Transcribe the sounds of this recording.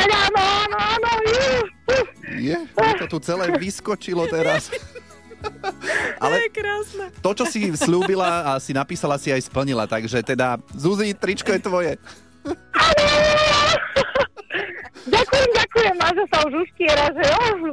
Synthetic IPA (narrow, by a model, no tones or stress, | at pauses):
aaːnɔaːnɔanɔjɛ | jɛt̪ɔt̪ut͡sɛlɛːʋiskɔt͡ʃilɔt̪ɛɾas | ʔa̰lɛɛkɾaːsnɛt̪ɔt͡ʃɔsisʎuːbilaːsinapiːsalasiajspl̩ɲila̰t̪aɡʒɛt̪ɛd̪azuzit̪ɾit͡ʃkɔjɛt̪ʋɔjɛ | aːnɔ | ɟakujɛmɟakujɛmaʒɔsauʒuscɪɛɾaʒɛɔ